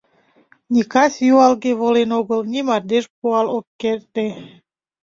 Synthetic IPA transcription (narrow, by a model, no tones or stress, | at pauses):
nʲikɑsʲjuɑlɡeβolenoɣəlnʲimɑrd̪eʃpuɑlokːert̪e